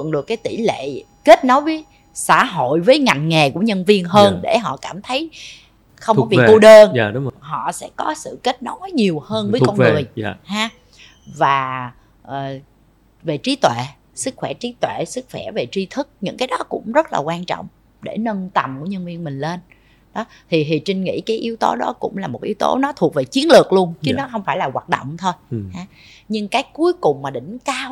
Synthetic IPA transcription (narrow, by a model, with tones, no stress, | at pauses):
ŋɗɨ˨˩əkːaː˨˦jt̪i˧˩lḛ˧˨ | ke˦˥t̚no˨˦jvəː˨˦j | sa̰ː˧˩ɦo̰˧˨jvəː˨˦jŋa˨˩jŋ̟ŋe˨˩ku˧˩əɲə˧nvi˧ənɦəː˧nɗe˧˩ɦɔ̰˧˨kaː˧˩mt̪ʰə˨˦j | xə˧wŋ͡mɔ˨˦vi˨u˧ɗəː˧n˧˨˦ɦɔ̰˧˨sɛ̰˧˥kɔ˨˦sɨ̰˧˨ke˦˥t̚nɔ˨˦wɔ˨˦jɲi˨˩əwhəː˧nvəː˨˦˨kɔ˧nŋɨ˨˩ə˧˨haː˧ | vaː˨˩ | ʔəː˨˩ | ve˨˩t͡ɕi˨˦t̪wḛ˧˨ | sɨ˦˥k̚xwɛ˧˩t͡ɕi˨˦t̪wḛ˧˨sɨ˦˥k̚xwɛ˧˩ve˨˩t͡ɕi˧t̪ʰɨ˦˥k̚ɲɨ̰˧˥ŋkaː˨˦jɗɔ˨˦kʊ̰˧˥ŋ͡mzə˦˥t̚laː˨˩kwaː˧nt͡ɕɔ̰˧˨wŋ͡m | ɗe˧˩nə˧nt̪ə˨˩mku˧˩əɲə˧nvi˧ənmï˨˩ŋ̟le˧n | ɗɔ˨˦ | t̪ʰi˨˩ɦi˨˩t͡ɕï˧ŋ̟ŋḭ˧˥kaː˨˦jʔi˨˦əwt̪o˨˦ɗɔ˨˦kʊ̰˧˥ŋ͡mlaː˨˩mo˨˩t̚ʔi˨˦wt̪o̰˨˦nɔ˨˦t̪ʰu˨˩ək̚ve˨˩t͡ɕi˨˦ənlɨ˨˩ək̚lu˧ənt͡ɕɨ˨˦nɔ˨˦xə˧wŋ͡mfaː˧˩jlaː˨˩waː˨˩t̚ɗo̰˧˨wŋ͡mt̪ʰo˧jhaː˨˦ | ɲɨ˧ŋkaː˨˦˥jku˨˦jkʊ˨˩ŋ͡mmaː˨˩ɗï˧˩ŋ̟kaː˧w